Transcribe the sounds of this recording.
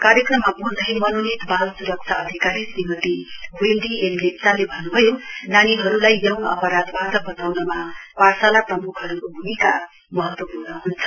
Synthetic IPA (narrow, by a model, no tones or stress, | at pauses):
kaɾjʌkrʌmːabʱund̪ʱʌjmʌnonit̪balsuɾʌk̚t͡sʰaʌd̪ʱikaɾisimʌt̪iɦeld̪ienlekt͡salebʱʌnːubʱʌjonaniɦʌɾulajjʌw̃ʌ̰pʌɾad̪bat̪ʌbʌt̪awnʌmapasalaprʌmukʰɦʌɾukobʱumika | mʌɦʌt̪wʌpurnʌɦunt͡sʰʌ̥